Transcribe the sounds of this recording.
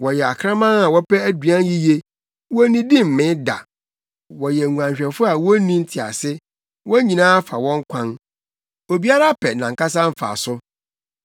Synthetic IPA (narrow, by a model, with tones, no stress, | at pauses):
wɔ˨jɛ˨a˨kʰɾã˦mã˦na˨wɔ˦pɛ˦æ˦dɥã˦n˦ji˦je˦ | wɔ˦nĩ˦di˦m̩˨mɪ̃˦da̰˨ | wɔ˨jɛ˨ŋu˨ã˨ɲɕᶣɛ˨fʊ˦a˨wɔ˦nĩ˦n̩˦tʰɪ˨a̰˨sɪ˦ | wɔ˦ɲĩ˨nãː˦fa˨wɔ̃˦ŋ˦kʷʰã˦n | o˨bi˦a˦ɾa˦pʰɛ˨nã˨ŋ̩˨ka˦s̬ã˦m̩˦fa̰˨sʊ˦